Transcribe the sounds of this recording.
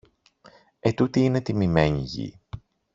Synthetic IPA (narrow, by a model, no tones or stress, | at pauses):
e̞t̪ut̪iine̞t̪imime̞ɲḭʝḭ